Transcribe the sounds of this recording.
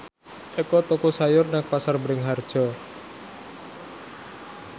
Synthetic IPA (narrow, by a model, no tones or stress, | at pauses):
ʔekɔt̪ɔkusajʊrnaŋpasarbɾɪŋɦard̥ʒ̥ɔ